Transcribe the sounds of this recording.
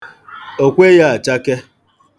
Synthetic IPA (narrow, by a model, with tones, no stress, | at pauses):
o˨kʷe˦ja˦a˨t͡ʃa˦ke˦